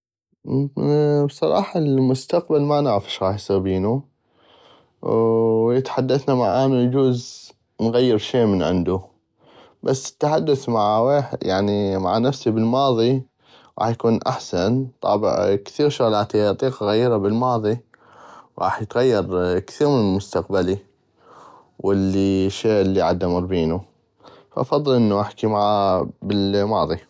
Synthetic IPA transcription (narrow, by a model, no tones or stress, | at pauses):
bsˤɑɾˤɑ̰ːħɑlmʊst̪aqbalmanaʕɾafɪ̥ʃɾɑːħjsˤiɾbiːnu | jɪt̪ħad̪ːaθnamaʕʔaːmld͡ʒuːz | nɣajːɪɾʃeːmənʕɪ̰nd̪u | basːɪ̥t̪ːaħad̪ːaθmaʕweːħjaʕnimaʕanafsibɪlmɑːðˤi | ɾɑ̰ːħjakuːnʔa̰ħsant̪ˤɑ̰ːbɪ̰ʕkθiːɾʃʊɣlaːt̪iʔɑt̪ˤiːqaɣajːɪɾabɪlmɑːðˤi | wɾɑ̰ːħjət̪ɣajːɑɾˤkθiːɾmɪnlmʊst̪aqbali | wɪlːiʃeːʔɪlːiʕad̪ːamɑɾˤbiːnu | faʔɑfɑðˤːɨlʔənːaʔaħkimaʕabɪlmɑːðˤi